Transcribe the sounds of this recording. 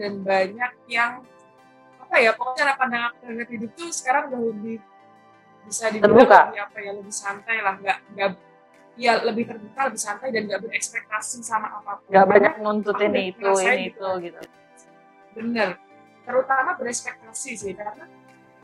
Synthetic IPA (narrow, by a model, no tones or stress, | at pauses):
danbaɲak̚jaŋ | apajapakot͡ʃaɾapandaŋak̚t̪aɾɲat̪idʊk̚t̪usə̥kaɾaŋɡaʔləbɪh | bisadit̪ərbukaiapajaŋləbɪhsant̪ajlahŋɡaʔŋɡaʔ | jaləbɪht̪ərbukaləbɪhsant̪ajdanɡaʔbərɛkspɛk̚t̪asisamaʔːpapuŋɡaʔbaɲak̚nunt̪ʊiniːt̪uaniːt̪uɡit̪u | bənər | t̪əɾut̪amabəɾɛkspɛk̚t̪asisikarəna